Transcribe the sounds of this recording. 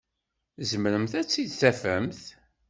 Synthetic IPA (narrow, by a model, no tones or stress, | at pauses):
zəmɾəmθæt͡sːid̪θæfæmθ